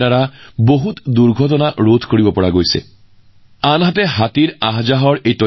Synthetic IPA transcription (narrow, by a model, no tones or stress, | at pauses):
aɹaboɦut̪duɹɡʱɔtɔnaʔɹod̪ʰʱkoɹibɔpɔɹaɡojsɛ̰ | anɦatɛɦat̪iɹaɦd͡ʒaɦɔɹejtɔ